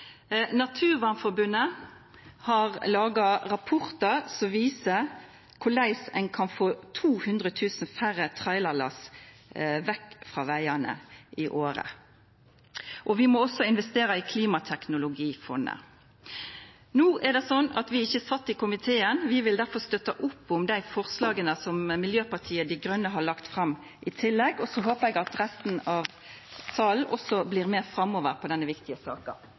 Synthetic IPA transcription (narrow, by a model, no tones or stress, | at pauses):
nɑt̪ʰʉːʁʋɑːnfɔbʉnːə | hɑʁlɑːɡɑɾɑpʰɔʁt̪əsɔmʋiːsə | kʰʊlæɪsɛ̰ɪŋkʰɑnfoːt̪ʰuːhʉnd̪ʁət̪ʰʉːsn̩fæɾət̪ʰʁɑɪlɑlɑ̰s | ʋɛkːfʁɑ̰ːʋæɪənə̰ʔɪʔoːɾə̰ | ʔɔʋɪmɔɔsːɔɪnʋɛst̪eːɾəɪːkʰliːmɑt̪ʰɛknʊlʊɡiːfɔ̰nːə̰ | nuːʔɛɾɖ̪ɛsɔnːɑt̪ʋɪɪçːəsɑt̪ːɪkʊmɪt̪ʰeːənʋɪʋɪld̪æɾfɔɾst̪œt̪ɑʔʊpːʊmd̪æɪfɔʁslɑːɡənəsɔmmɪljøːpɑt̪ʰiːəd̪ɪɡɾœnːəɦɑɭɑkt̪fɾɑm | ʔɪt̪ʰɪlːɛɡɔsɔɦoːpəɾɛɡɑt̪ɾɛst̪n̩ɑʋ | sɑːlnʔɔsɔbliːɾmeːɾfɾɑmːoːʋəɾpʰɔd̪ɛnːəʋɪkt̪ɪəsɑ̰ːkɑ